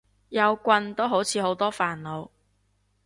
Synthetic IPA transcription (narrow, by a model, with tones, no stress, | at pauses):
jɐ˨˧wkʷɐ˧nt̪o˥wɦo˨˥wt͡sʰiː˨˥ho˨˥wt̪ɔː˥faː˨nlo˨˧w